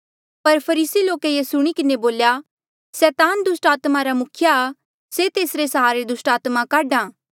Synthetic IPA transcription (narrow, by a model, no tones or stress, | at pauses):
pɐɾpʰɐɾiːsiloːkejesʊɽ̃ikɪneboːlja | sɛːt̪aːnd̪ʊsʈaːt̪maɾamʊkʰjaː | set̪eːsɾesɐɦaːɾed̪ʊsʈaːt̪makaːɖãː